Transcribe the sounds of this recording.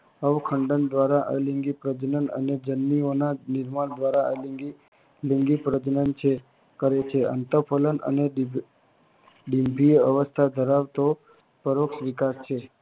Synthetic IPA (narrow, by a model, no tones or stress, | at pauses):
əʋkʰəɳɖənd̪ʋaɾaʔə̰lĩŋɡipɾəd͡ʒnənə̰ned͡ʒənːionanɪɾmaɳd̪ʋaɾaəliɡi | liŋɡipɾəd͡ʒnənt͡ʃʰe | kəɾet͡ʃʰeə̰nt̪əpʰələnə̰neɖ | ɖimbʱiəʋəst̪ʰad̪ʱəɾaʋt̪o | pəɾoksʋɪkast͡ʃʰe